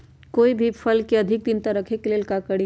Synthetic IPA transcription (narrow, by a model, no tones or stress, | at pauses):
koːibʱipʰəlkeɐd̪ʱɪk̚d̪ɪnt̪aɾɐkʰekeleːlkakəɽi